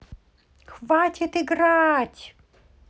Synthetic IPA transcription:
xʋatʲɪt̪ɪɡɾɑtʲ

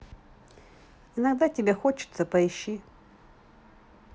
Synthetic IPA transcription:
ɪnɐɡd̪atʲɪbʲexot͡ɕɪ̥t̪səpɐɪɕːi

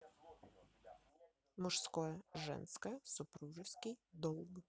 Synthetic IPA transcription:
mʊʂskɔjʐɛ̰nskɐsʊpɾuʐɨskɪjd̪ɔlˠɡ

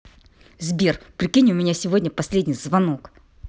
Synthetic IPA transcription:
zbʲerpɾʲɪkʲinʲʊmʲɪnʲasʲɪvodʲnʲəpɐsʲlʲedʲnʲɪjzvɐno̞k

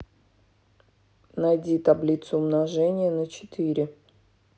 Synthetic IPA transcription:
najdʲit̪ablʲit̪sʊːʊmnɐʐɛnʲɪjənət͡ɕɪ̥t̪ɨɾʲɪ

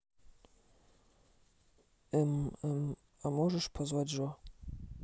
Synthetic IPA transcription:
m | amɔʐɛʂpʰɔzwadʐwa

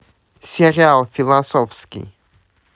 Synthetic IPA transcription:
sɛɾjalˠfilˠasɔfskʲḭ

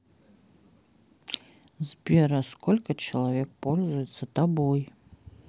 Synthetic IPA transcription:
zbʲɛɾɐskɔlʲkɐt͡ʃɐlˠavʲɛk̚pɔlʲzujɛt̪sːɐt̪abɔj

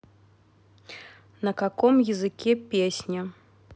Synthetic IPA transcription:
nɐkakɔmjizɨkʲɛpʲesʲnʲɐ

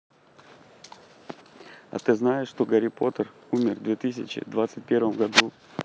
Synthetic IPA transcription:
ɐ̰t̪ɨznajɪʂːt̪oɡəɾʲɪpo̞t̪ərumʲɪrvd̪vʲet̪ɨs̬ʲɪt͡ɕɪ̰d̪vat̪sɨt̚ʲpʲe̞ɾvəmvɡɐd̪u

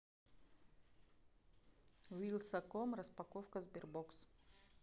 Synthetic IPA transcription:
wilʲˠsɐkomrɐspɐkofkɐzbʲɪrboks

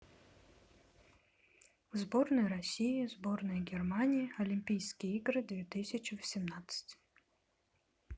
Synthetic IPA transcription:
vzbornɨjəɾɐsʲijizbornɨjəɡʲɛrmanʲijiɐlʲimʲpʲijskʲɪjəiɡɾɨd̪vʲet̪ɨsʲɪt͡ɕɪvəsʲɪmnat̪sɨ̥tʲ

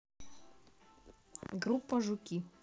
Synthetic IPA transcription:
ɡɾupːaʐukʲi

